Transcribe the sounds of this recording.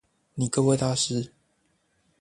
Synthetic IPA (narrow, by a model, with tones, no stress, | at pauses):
ni˨˩kɤ˥we˥˧t̪a˥ʂɻ̩˥